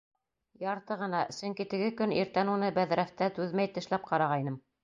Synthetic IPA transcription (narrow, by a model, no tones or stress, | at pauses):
jɑɾt̪ɤʁɤ̆nɑsɵ̆ŋkit̪ɘ̆ɡɘkɵniɾt̪ænunɤbæðɾæft̪æt̪ʉðmæjt̪ɘ̆ʃlæp̚qʰɑɾɑʁɑjnɤm